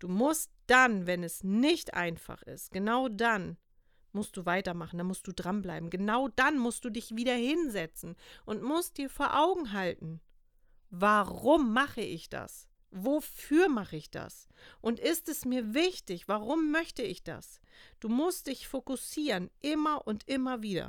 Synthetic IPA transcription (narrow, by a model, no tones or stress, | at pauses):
d̥uːmʊst̚d̥anvɛnɛsnɪçtʔa̰ɪnfa̰χɪ̰stɡ̥ənaʊdan | mʊst̚d̥uːvaɪtɐmaχn̩d̥anmʊst̚d̥uːdʁanbla̰ɪbm̩ɡənaʊdanmʊstd̥uːdɪçv̥iːdɐhɪnzɛt͡sn̩ʔʊntmʊst̚d̥iːɐfoːɐʔaʊɡŋ̩ɦaltn̩ | vaʁʊmːaχəʔɪçd̥a̰s | vofyːɐmaχəɪçd̥a̰s | ʔʊntʔɪstɛsmiːɐvɪçtɪçv̥aʁʊmːœçtəɪçd̥a̰s | d̥uːmʊst̚d̥ɪçfokʊsiːʁənʔɪmɐʔʊntʔɪmɐviːdɐ̰